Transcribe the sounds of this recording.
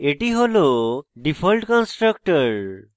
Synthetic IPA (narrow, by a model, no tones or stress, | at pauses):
eʈiɦoloɖipʰɔlʈkɔnsʈɾəkʈəɾ